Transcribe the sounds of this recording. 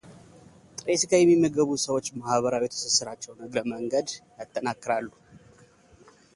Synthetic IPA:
t̪ʼɾeskʰəjɛmːimːəɡəβusəwo̞t͡ʃːmahβəɾawet̪ʰsɨsɨɾat͡ʃːɛwnəɡɾəməŋɡəd̪jat̪ʼːənakːɨɾalːu

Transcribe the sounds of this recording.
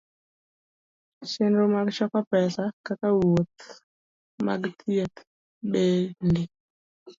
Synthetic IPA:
ʃɪndomaɡʃɔkapɛsakakawot̪ | ma̰ɡt̪ʰiet̪ | bende

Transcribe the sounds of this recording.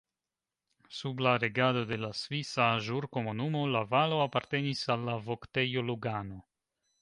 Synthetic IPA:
sublaɾe̞ɡado̞de̞lasvisaʒuɾko̞munumo̞lavalo̞apaɾte̞nisalːavokte̞jo̞luɡano̞

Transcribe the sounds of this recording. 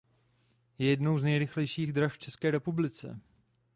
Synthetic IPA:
jɛjɛdno̞wznɛjɾɪxlɛjʃiːɣdɾaxft͡ʃɛskɛːɾɛpublɪt͡sɛ̰

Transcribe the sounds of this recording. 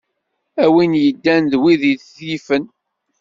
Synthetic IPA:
æwinjəd̪ːænðwiðiθθjifən

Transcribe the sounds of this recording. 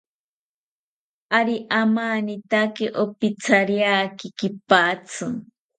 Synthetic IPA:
aɾiʔamanit̪akiʔopit͡sʰaɾjaːkikipat͡sʰɨ

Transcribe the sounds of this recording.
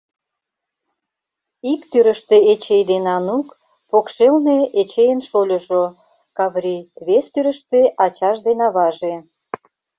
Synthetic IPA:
ikt̪yɾəʃt̪eet͡ɕejd̪enɑnuk | pokʃelneet͡ɕejənʃolʲŏʒo | kɑβɾʲiβest̪yɾə̆ʃt̪eʔɑt͡ɕɑʃd̪enɑβɑʒe

